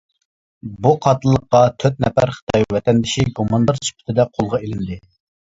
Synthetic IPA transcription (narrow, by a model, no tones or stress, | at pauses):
buqʰɑt̪ɨlˠːəqːɑt̪ʰøt̪̚nɛpæɾχə̥t̪ʰɑjwɛt̪ʰɛnd̪ɪʃiɡomɑnd̪ɑɾsy̥pʰɪ̥t̪ʰɪd̪ɛqʰolˠʁɑelɪnd̪ɪ